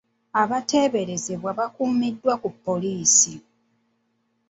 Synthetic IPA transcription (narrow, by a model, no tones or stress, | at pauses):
aβate̞ːβe̞ɾe̞ze̞βwaβakuːmidːwakupːo̞liːsi